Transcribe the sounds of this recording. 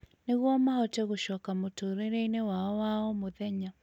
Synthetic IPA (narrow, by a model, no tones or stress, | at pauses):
neɣwɔmahɔtɛɣoʃɔkamotoɾeɾeinewaɔwaɔmoðɛɲa